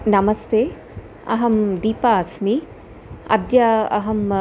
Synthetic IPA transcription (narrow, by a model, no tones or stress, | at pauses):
nɐmɐst̪ʰeː | ɐɦɐmd̪iːpaːsmi | ɐ̰d̪jɐɐ̰ɦɐm